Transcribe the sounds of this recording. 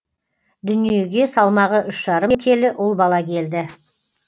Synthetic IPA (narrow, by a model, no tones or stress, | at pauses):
d̪ʏnije̞ɡʲe̞sɑlˠmɑʁəʔʏʃʒ̥ɑɾəmkʲʰe̞lɪʔʊlˠbɑlˠɑkʲe̞ld̪ɪ